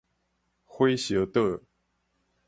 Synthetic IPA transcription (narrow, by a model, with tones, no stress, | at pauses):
xwe˥ɪɕjɤ˧˥t̪ɤ˥˧